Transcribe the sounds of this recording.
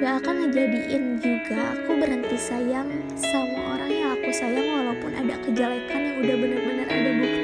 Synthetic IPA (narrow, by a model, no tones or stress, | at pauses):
ɡaːkanməɲd͡ʒadiʔɪnd͡ʒuɡaːkubəɾənt̪isajaŋ | samaʔoɾaŋjaŋakusajaŋwalaupʊnʔa̰dakəd͡ʒalakʰanjaŋudahbənərbənərṵdahbuk